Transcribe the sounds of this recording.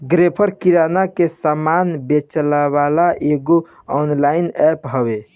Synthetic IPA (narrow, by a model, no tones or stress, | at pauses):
ɡɾepʰəɾkiɾanakesamanbet͡ʃəlabalaʔeɡo | ɔnlainɛpɦəbe